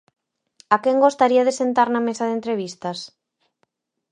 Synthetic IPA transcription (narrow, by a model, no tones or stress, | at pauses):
akɛŋɡost̪aɾiaðesent̪aɾnamesaðent̪ɾeβ̞ist̪ɐs